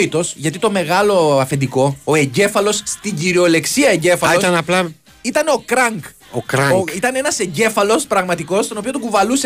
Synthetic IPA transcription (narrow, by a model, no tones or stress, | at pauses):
it̪o̞sʝɐt̪it̪o̞me̞ɣɐlo̞ɐfe̞nd̪iko̞oe̞ɲɟe̞fɐlo̞st̪iɲɟiɾio̞le̞ksiɐeɲɟe̞fɐlio̞st̪ɐnɐplɐ | it̪ɐno̞kɾɐŋk | okɾɐoŋit̪ɐnenɐse̞ɲɟe̞fɐlo̞spɾɐɣmɐt̪iko̞st̪o̞no̞piot̪okuvɐluse